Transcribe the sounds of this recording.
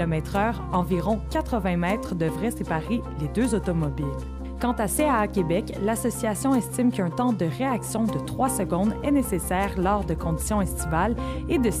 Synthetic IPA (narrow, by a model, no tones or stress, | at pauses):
ɔmɛt̪χœːʁɑ̃viʁɔ̃kat̪χəvɛ̃mɛːt̪χəd̪əvʁɛsepaʁeled̪øzot̪ɔmɔbɪl | kɑ̃t̪aseaːkʲebɛklasɔsiasjɔ̃ɛst̪imkœ̃t̪ɑ̃d̪əʁeaksjɔ̃d̪ət̪χwasəɡɔ̃d̪ɛnesesɛːʁlɔːʁd̪əkɔ̃d̪i̥sjɔ̃ɛst̪ivaled̪ə